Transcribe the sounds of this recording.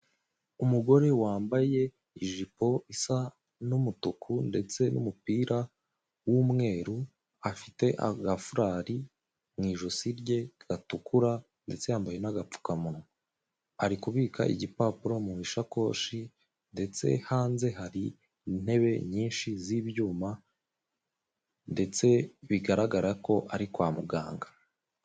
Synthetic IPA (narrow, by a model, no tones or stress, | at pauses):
umuɡo̞ɾe̞waːmbaje̞ | iʒipo̞isa | numutukʰunde̞t͡se̞nʔṵmupiːɾa | wumŋe̞ːɾu | afite̞ʔa̰ɡafuɾaɾi | mŋiːʒosiɾɟe̞ɡ̥atukʰuɾa | nde̞̰t͡se̞jaːmbaje̞naɡap͡fu̥kamunŋo | aɾikuβiːka̰ʔḭɟipaːpuɾo̞mumiʃako̞̰ʃi | nde̞t͡se̞̰haːnze̞ɦaɾi | n̥he̞βe̞ɲiːnʃiziːβjuːma | nde̞t͡se̞βiɡaɾaɡaɾako̞ʔaɾikwaːmuɡa̰ːŋɡa